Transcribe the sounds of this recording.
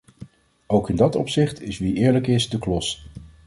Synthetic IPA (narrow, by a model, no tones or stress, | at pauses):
owkɪndɑtɔpsɪχtʰɪsʋiʔɪːɹləkɪsdəklɔs